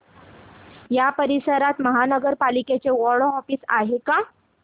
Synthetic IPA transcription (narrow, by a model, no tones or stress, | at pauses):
japəɾisəɾat̪məɦanəɡəɾpaliket͡seʋɔɽɦɔfiːsa̰ɦeka